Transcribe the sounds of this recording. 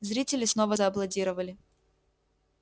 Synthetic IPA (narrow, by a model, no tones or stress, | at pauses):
zɾʲitʲɪlʲɪsno̞vəzəɐblˠɐdʲiɾəvəlʲɪ